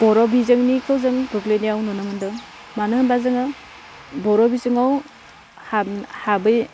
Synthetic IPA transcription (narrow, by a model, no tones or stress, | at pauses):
b̥ɔɾɔbizɯŋnikʰɯwzɯŋbɯɡlejnijawnonɯmɯndɯ | manɯɦɯnbazɯŋɯ | bɔɾɔbizɯŋaw | hahabɯj